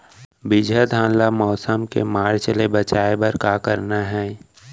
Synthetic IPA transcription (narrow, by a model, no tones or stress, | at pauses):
bɪd͡ʒʱəd̪ʱãːnlamɔːsəmkḛmaːɽt͡ʃəlebət͡ʃaːebəɾkaːkəɾnaɦɛː